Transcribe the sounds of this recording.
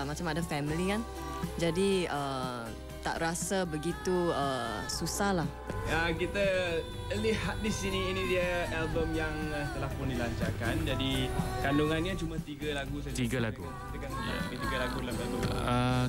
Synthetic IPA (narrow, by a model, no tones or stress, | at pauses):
mat͡ʃamadafɛmilikan | d͡ʒadiə | t̪a̰ʔɾasabəɡit̪uəsusahlah | əkit̪ə | əlihat̪̚disiniːnĩdiəɛlbəmjaŋt̪əlahpʊndilaɲt͡ʃakand͡ʒadikanduŋãnɲat͡ʃumat̪iɡəlaɡusat̪iɡalaɡukit̪əkanua̰abit̪iɡalaɡudalamɡat̪ṵə